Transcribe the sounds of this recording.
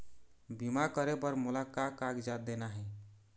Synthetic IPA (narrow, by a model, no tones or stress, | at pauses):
bimakəɾepəɾmulakakːakd͡ʒat̪̚d̪enaɦɛ